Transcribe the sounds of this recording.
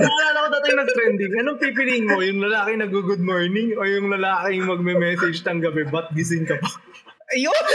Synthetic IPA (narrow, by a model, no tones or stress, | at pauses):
ɐŋɐlaːnɐkod̪aːt̪ɪjŋnɐɡ̚t̪ɾɛnd̪ɪŋɐnoŋpip̬ɪliŋmo̞jʊŋlɐlaːkɪŋnɐɡuɡʊd̪̚moɹnɪŋojʊŋlɐlaːkɪŋmɐɡ̚mɛmɛːsɛd͡ʒt̪ɐŋɡɐbɛbɐt̪̚ɡɪs̬ɪnkɐ | jon